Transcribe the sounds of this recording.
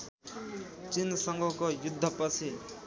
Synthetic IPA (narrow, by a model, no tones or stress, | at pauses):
t͡sinsʌŋɡʱʌkojud̪ʱːʌpʌt͡sʰi